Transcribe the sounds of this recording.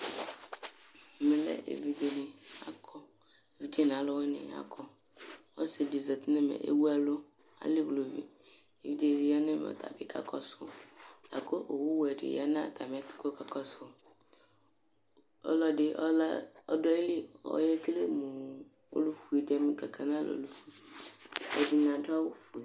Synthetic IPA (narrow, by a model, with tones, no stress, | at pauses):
mɪ˨lɛ̰˦ʔḛ˨vi˦d͡ʒe˨ni˨a̰˨kʰɔ˦ | e˨vi˦d͡ʒe˦n˨a˨lɔ˦wɛ˦nɪ̰˨a̰˨kʰɔ˦ | ɔ˦se˨di˨zɔ˨t̪i˦ne˦mḛ˨ʔḛ˦wu˦a˦lo˦ | a̰˨li˦ɡlo˨vḭ˨ | e˨vi˦d͡ʒe˦˨li˨ja˦ne˦m˨o̰˨t̪a̰˨bi˦kʰa̰˦kɔ˦sʊ̰˨a̰˨ko˦ʔo˨wu˦wɛ˨dɪ̰˨ja̰˦n˦ã̰˦˨t̪a˨m˨ɛ˦ti̥˦ko˦ka˨kɔ˦so˨ | ɔ̰˦lɔ˦dɪ˨ʔɔ˦la˦ɔ̰˦dɔ˦i˦li˦ɔ̰˦jɛ˦kle˦mu˨ | o̰˦lu˦fu˨i˨dɛ˦m˦ka˨kʰa˨nã˦˨lʔo̰˨lu˦fu˦ | ɔ̰˨di˦n˨ã˨da˦wo˦fu˨